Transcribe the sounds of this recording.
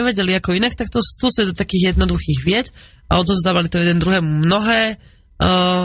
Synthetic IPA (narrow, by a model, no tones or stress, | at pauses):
ɛʋɛɟɛliakɔinakt̪ak̚t̪ɔst̪usid̪ɔt̪akiːɣjɛd̪nɔd̪uxiːɣʋɪɛt̪ | a̰ɔd̪ɔzd̪aːʋalit̪ɔjɛd̪ɛnd̪ɾuɦɛːmumnɔɦɛː